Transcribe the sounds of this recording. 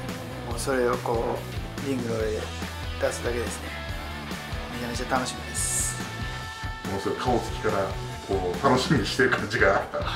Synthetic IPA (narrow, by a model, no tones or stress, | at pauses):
moːso̞ɾe̞o̞ko̞ː | ɾʲĩŋɡɯ̟ɾoḛ | d̪asɨd̪ake̞d̪e̞sɨ̥ne̞ | mʲid͡ʑanat͡ɕat̪ano̞ɕimʲid̪esɨ̥ | moːsoɾekʰaot͡sɨ̥kʲi̥kaɾa | kʰo̞ːt̪ano̞ɕimʲiɲiɕi̥t̪e̞ɾɯ̟kʰãɲ̟d͡ʑiɡaːɾt̪a